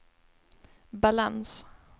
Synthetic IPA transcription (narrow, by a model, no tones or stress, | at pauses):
balans